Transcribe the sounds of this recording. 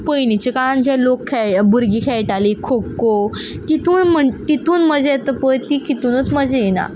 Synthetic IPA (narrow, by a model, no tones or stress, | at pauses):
pəjnit͡ɕekaɭand͡ʑɛlokʰːɛbuɾɡiːkʰɛjʈalikʰokːo | k̪it̪uːnm̤əɳk̪it̪uːnməd͡ʑeet̪əpəjt̪iːkit̪uːnət͡sməd͡ʑejena̰